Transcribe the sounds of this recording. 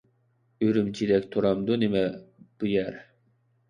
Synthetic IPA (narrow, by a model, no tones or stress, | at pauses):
yɾymt͡ʃʰid̪ɛk̚ʲt̪ʰuɾɑmd̪unimɛb̥ujɛɾ